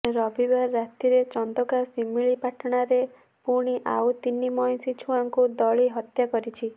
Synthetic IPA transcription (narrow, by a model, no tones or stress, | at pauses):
ɾɔbibaːat̪iɾet͡ʃɔnd̪ɔkasimiɭipaʈʰɔɽ̃aɾe | puɽ̃iʔa̰ut̪inːimɔjnsit͡ʃʰuaŋkud̪ɔɭiɦɔt̪jakɔɾit͡ʃʰi